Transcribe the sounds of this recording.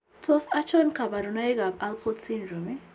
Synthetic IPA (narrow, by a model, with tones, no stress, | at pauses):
tɔ˦sa˦t͡ʃɔ˦nka˨ba˨ɾu˨na˦i˦ɡa˨ba˦lpʰɔ˦tsi˦ndɾo˨mi˦